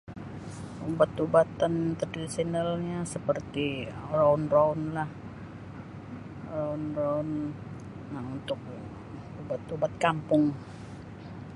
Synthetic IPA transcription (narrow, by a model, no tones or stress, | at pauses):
ubat̪ubat̪ant̪əradisinalɲasəpərt̪iraunraunlah | raunraun | aunt̪ʊk̚ | ubat̪ubat̪̚kampʊŋ